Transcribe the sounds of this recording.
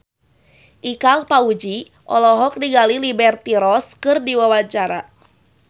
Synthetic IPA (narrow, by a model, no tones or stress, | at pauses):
ʔikalpaud͡ʒi | ʔɔ̰lɔɦɔk̚diɡalilibɛrt̪iɾɔskɨrdiwawat͡ʃaɾa